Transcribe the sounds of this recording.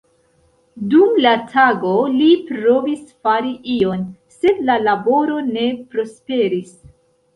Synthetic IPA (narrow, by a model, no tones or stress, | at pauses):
dumlatʰaɡo̞lipɾo̞visfaɾiʔio̞n | se̞dlalabo̞ɾo̞ne̞pɾo̞spe̞ɾis